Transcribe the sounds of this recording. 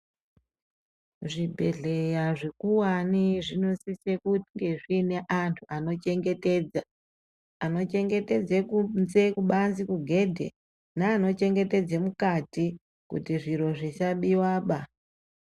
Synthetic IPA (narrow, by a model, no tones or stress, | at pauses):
ʐibʱe̞ɮe̞jaʐe̞kuwaniʐinosisekuŋɡe̞ʐine̞ʔantʰuʔano̞t͡ʃe̞ŋɡe̞te̞ːd͡za | ano̞t͡ʃe̞ŋɡe̞te̞d͡zekunzekuɓanzikuɡʱe̞dʱe̞̰ | naːno̞t͡ʃe̞ŋɡe̞te̞d͡zemukati | kṵtiʐiɾo̞ʐit͡ʃaɓiwaːɓa